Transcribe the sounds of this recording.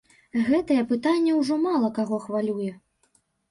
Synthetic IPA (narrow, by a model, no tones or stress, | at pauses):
ɣɛt̪ɐjɛpɨt̪anʲːɛwʐɔmalˠɐkaɣɔxvalʲujɛ